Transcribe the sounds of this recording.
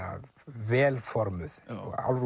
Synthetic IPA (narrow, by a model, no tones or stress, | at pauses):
ʋɛːlfɔɾməð̰a̰lɾ